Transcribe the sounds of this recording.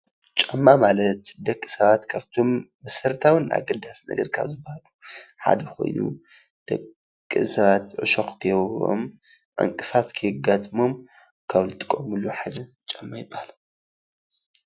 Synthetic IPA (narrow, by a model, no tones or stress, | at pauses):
t͡ʃʼamːamalɐt̪d̪ɐkʼːi̥sɐβat̪kʰaβt̪ʰo̞mbɨsɐɾt̪ʰawɨna̰ɡɐd̪asnɐ̰ɡɐ̰ɾkʰa̰βzɨbahaluħa̰d̪ɐko̞̰jnṵ | d̪̥ɐkʼː | isɐβat̪ʕɨ̰ʃoxkʰɨjɛβo̰m | ʕɨ̰ŋkʼɨfat̪kʰɨhɨɡat̪ʼmo̞m | kʰaβlɨt̪ʼɨ̥kʼːomɨluħad̪ɐ | t͡ʃʼamːajɪbahala